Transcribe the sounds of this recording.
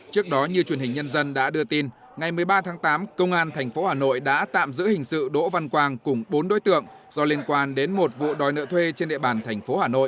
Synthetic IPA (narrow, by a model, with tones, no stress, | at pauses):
t͡ɕɨ˦˥ək̚ɗɔ˨˦ɲɨ˧t͡ɕwənhï˨˩ŋ̟ɲə˧nzə˧nɗa̰ː˧˥ɗɨ˧ət̪i˧n | ŋa˨˩jmɨ˨˩əjɓaː˧t̪ʰaː˨˦ŋt̪aː˨˦mkə˧wŋ͡mʔaː˧nt̪ʰɛ˨˩jŋ̟fo˨˦haː˨˩no̰˧˨jɗa̰ː˧˥t̪a̰ː˧˨mzɨ̰˧˥hï˨˩ŋ̟sɨ̰˧˨ɗo̰˧˥va˧nkwaː˧nkʊ˧˩ŋ͡mɓo˨˦nɗo̰˧˥jt̪ɨ̰˧˨əŋ | zɔ˧li˧ənkwaː˧nɗe˨˦nmo˨˩t̚vṵ˧˨ɗɔ˨˩jnə̰ː˧˨t̪ʰwe˧t͡ɕe˧nɗḛ˧˨ɓaː˨˩nt̪ʰɛ˨˩jŋ̟fo˨˦haː˨˩no̰˧˨jʔ